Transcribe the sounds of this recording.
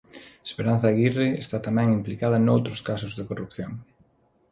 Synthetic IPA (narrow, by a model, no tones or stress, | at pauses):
espeɾãn̟θɐɣireest̪at̪amɛ̃ŋimplikaðɐnowt̪ɾʊskasʊzðekorupθjoŋ